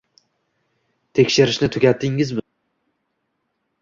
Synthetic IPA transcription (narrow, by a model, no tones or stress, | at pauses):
t̪ʰe̞kʲʃɪɾɪʃnɪt̪ʰʊkʲat̪ʰːɪŋɪzmɪ